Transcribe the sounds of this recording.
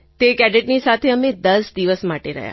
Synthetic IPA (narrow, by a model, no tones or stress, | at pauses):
t̪ekɛɖeʈnisat̪ʰeəmẽd̪əsd̪iʋəsmaʈeɾə̰ɦja̰